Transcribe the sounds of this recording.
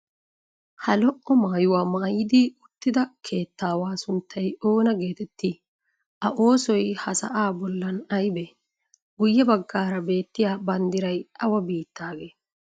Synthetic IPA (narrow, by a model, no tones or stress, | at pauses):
hɐlɔʔːɔmaːjʊwaːmaːjɪd̪ɪʊt̪ːɪd̪ɐkʰe̞ːt̪ːaːwaːsʊnt̪ʰːɐjo̞ːnɐɡe̞ːt̪ɛt̪ːɪ | ʔɐʔo̞ːsɔjhɐsɐ̰ʔaːbɔlːɐnɐjbɛ | ɡʊjːɛbɐɡːaːɾɐbe̞ːt̪ːɪjaːbɐnd̪ɪɾɐjɐwɐbiːt̪ːaːɡe̞ː